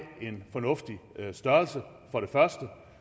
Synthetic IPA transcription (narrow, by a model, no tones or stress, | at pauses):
e̝nfɒ̽nɔ̽fd̥isd̥ɶɐlsə | fɒ̽ɾe̝fɶɐsd̥ə